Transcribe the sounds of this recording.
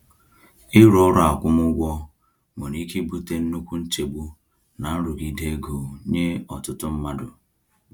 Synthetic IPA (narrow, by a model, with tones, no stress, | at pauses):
ɪ˦ɾɔ˦ɾʊ˦a˨kʷʊ˦mʊ˦ɡʷɔ˦ | mo˨n˦i˦ke˦bu˨te˦n̩˦nu˦kʷu˦n̩˦t͡ʃe˨bu˦ | na˨n̩˦ɾʊ˨ɡi˨de˦ɡo˨ɲe˦ɔ˨tʊ˨tʊ˦m̩˦ma˦dʊ˨